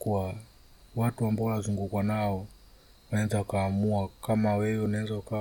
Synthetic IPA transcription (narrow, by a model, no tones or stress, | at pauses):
kuwa | watuambaɔwɔnazuŋɡukwanaɔ | wanaɛzaukaːmuakamawɛwɛunaɛzauka